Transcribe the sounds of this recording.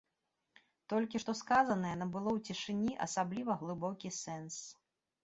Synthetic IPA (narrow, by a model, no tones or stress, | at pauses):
t̪ɔlʲkʲiʂt̪ɔskazɐnɐjɛɐnɐbɨlˠɔwt͡sʲiʂɨnʲiʔɐ̰sablʲivɐɣlˠɨbɔkʲisɛns